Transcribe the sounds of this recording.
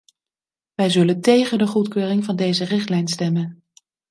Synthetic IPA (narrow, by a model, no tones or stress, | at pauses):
ʋɛjzɵləntejχəndəχutkøːrɪŋvɑndejzərɪχtlɛjnstɛmən